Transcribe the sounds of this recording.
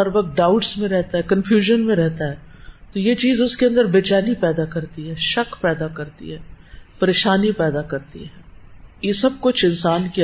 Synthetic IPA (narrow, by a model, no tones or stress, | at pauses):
ɐɾbɐɡɖaːʊʈsmẽɾɛɦt̪aɦɛːkɐnfjuːʒənmẽɾɛɦt̪aɦɛːt̪ojet͡ʃiːzʊskeɐ̃nd̪əɾbeːt͡ʃaːnipɛːd̪akɐɾt̪iɦɛːʃɐkpɛːd̪akɐɾt̪ḭɦɛːpɐɾeːʃaːnipɛːd̪akɐɾt̪ḭɦɛːjesɐb̚kʊt͡ʃʰɪ̃nsaːnki